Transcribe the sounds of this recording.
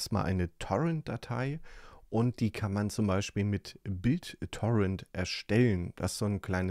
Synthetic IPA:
stma̰ːlʔa̰ɪnətʰɔʁɛnt̚d̥atʰaɪʔʊnt̚d̥iːkʰanmant͡sʊmbaɪʃpiːlmɪtbɪlttʰːɔʁɛntʔɛɐʃtɛlənd̥a̰ssz̥oːnkʰl̥aɪnə

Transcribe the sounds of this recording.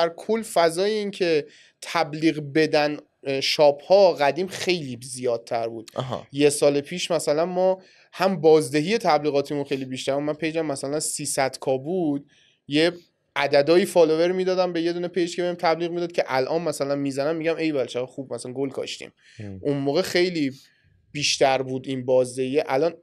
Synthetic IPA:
d̪æɾkʰolːfæzɒːjeincʰe̞ | t̪ʰæbliːɣbe̞d̪æn | ʃɒːbhɒːɣæd̪iːmχe̞jliːzijɒːd̪̚t̪ʰæɾbuːd̪̥ɔɦjesɒːlepʰiːʃmæsælænmɒː | hæmbɒːzd̪e̞ɦije̞t̪ʰæbliːɣɒːt̪ʰimunxe̞jlibiʃt̪æɾumænpʰe̞jd͡ʒæmːæsælænsiːsæd̪̥kʰɒːbud̪ | je | ʔæd̪æd̪ɒːjiːfɒːlove̞ɾmiːd̪ɒːd̪æmbe̞je̞d̪uːne̞pʰe̞jd͡ʒkʰebeimt̪ʰæbliːɣmid̪ɒːd̪̚cʰeʔælʔɒːnmæsælænmiːzænæmːiɟæmejbælt͡ʃʰæɣæxubmæsænɡolkʰɒ̰ʃt̪ḭm | ʔunmoːɣe̞xe̞jliː | b̥iːʃt̪ʰæɾbuːd̪inbɒːzd̪ehijeʔælɒːn

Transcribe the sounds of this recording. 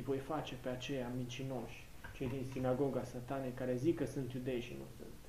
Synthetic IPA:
vo̞jfat͡ʃe̞pe̞at͡ʃe̞jamint͡ʃino̞ʃʲ | t͡ʃe̞jd̪insinaɡo̞ɡasat̪anejkaɾe̞zikəsɨnt̪jud̪e̞jʃḭnṵsɨ̰n

